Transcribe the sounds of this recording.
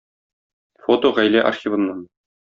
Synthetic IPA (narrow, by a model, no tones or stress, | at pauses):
fot̪oʁæjlæʔɐ̰rxʲivɤ̆mnɑn